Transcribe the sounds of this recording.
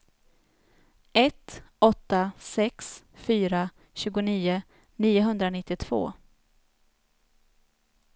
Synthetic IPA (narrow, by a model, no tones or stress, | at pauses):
ɛt̪ɔt̪ːasɛks | fyːɾa | ɕʉ̟ːɡʊniːʊ | niːʊɦɵnd̪ɾanɪt̪ːɪt̪ʰv̥o̰ː